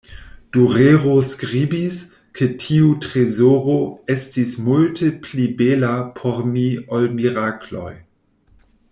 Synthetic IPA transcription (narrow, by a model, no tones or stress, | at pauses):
d̥uʁeːʁoskʁiːbis | kʰetʰiutʁezoːʁoɛstismultʰeplibɛlapʰɔʁmiɔlmiʁaklɔ̰j